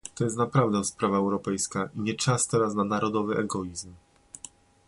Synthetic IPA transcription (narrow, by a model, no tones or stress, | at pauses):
t̪ɔjɛst̪napɾavd̪ɛ̃w̃spɾavaɛwɾɔpɛjskaʔiɲɛt͡ʂast̪ɛɾas̬nanaɾɔd̪ɔvɘʔɛɡɔizm